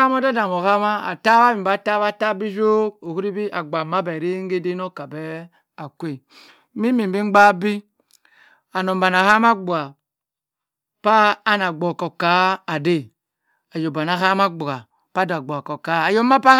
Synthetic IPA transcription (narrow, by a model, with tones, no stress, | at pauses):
a˦mo˦da˦da˨mo˨ka˦ma˦a̰˨ta˦ba˦bi˨m˨ba˨˦ta˦βa˦ta˦bi˦d͡ʒo˦k̚o˨ku˦ɾi˦bi˦ʔa˨ɡ͡ba˨ma˦bɛ˨ɾe˦ŋ˦ɡe˦de˦no˦ka˨bɛ˦ | a˨kʷe˦˨ | mi˦mi˨bi˦ŋ͡mɡ͡ba˦bi˦ | a˨no˨mba˨n˨a˨ha˦ma˦ɡ͡bu˨a˨ | paː˦na˨ɡ͡bo˨ko˨ka˨˦a˨de˦˨ | a˨jo˨ba˨na˦ɦa˦ma˦ɡ͡bu˨ɡa˨ | pa˦da˨ɡ͡bo˨ko˨ka˨˦a˨jo˦ma˦pa˦